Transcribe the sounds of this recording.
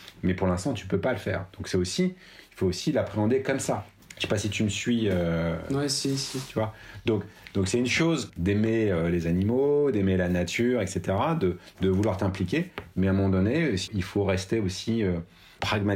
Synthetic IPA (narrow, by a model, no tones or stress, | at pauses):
mɛpuʁlɛ̃st̪ɑ̃t̪y̥pøpaləfɛ̰ːʁd̪̥ɔ̃ksɛosi | ilfoːsilapχeɑ̃d̪ekɔmsḁ | ʃepasit̪yməsɥiøwɛsisit̪yvwad̪ɔ̃kd̪ɔ̃ksɛynʃozd̪emeølezanimod̪emelanat̪ʰyʁɛkset̪eʁad̪əd̪əvulwaʁt̪ɛ̃plikʲemɛɛ̃mɔmɑ̃d̪ɔnesilfoʁɛst̪eosiø | pχaɡma